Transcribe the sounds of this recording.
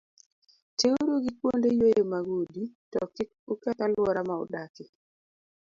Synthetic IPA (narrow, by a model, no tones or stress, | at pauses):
teuɾoɡikwondejojemaɡoditɔkɪ | ukɛtalwɔɾamaɔ̰dakɪ